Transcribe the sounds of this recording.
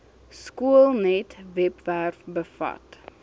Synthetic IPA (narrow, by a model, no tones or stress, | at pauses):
skuəlˠnɛtvɛpværfbəfɐ̰t